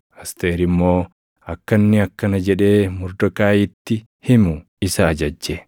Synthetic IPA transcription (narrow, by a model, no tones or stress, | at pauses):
ɐst̪e̞ːɾɪmːo̞ː | ɐkːɐnːɪɐkːɐnɐd͡ʒɛᶑe̞ːmʊɾd̪ɔkaːjɪt̪ːɪ | hɪmʊ | ɪsɐːd͡ʒɐd͡ʒːe